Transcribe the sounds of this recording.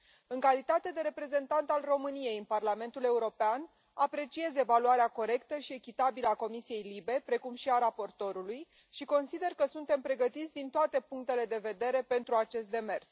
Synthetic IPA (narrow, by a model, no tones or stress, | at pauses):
ɨŋkalit̪at̪e̞d̪e̞ɾe̞pɾe̞ze̞nt̪ant̪alro̞mɨnije̞jɨnparlame̞nt̪ule̞uɾo̞pean | apɾe̞t͡ʃie̞ze̞valuaɾeako̞ɾe̞kt̪əʃie̞kʲit̪abiləako̞misije̞jlibe̞pɾe̞kumʃiaɾapo̞rt̪o̞ɾuluj | ʃiko̞nsid̪e̞rkəsunt̪e̞mpɾe̞ɡət̪it̪sʲd̪int̪oat̪e̞puŋk̚t̪e̞le̞d̪e̞ve̞d̪e̞ɾe̞pe̞nt̪ɾuat͡ʃe̞st̪d̪e̞me̞rs